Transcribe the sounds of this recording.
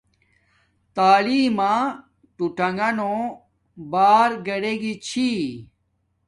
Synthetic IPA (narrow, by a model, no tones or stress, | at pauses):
t̪aːliːmã | ʈuʈɐŋɡɐno | baːɾɡɐɽeɡit͡ɕʰi